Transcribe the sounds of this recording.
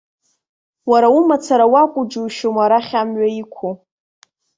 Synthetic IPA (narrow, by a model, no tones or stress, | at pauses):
waɾaumat͡sʰaɾawakʷʼʊd͡ʒuʃomaɾaχʲamɥaikʷʰu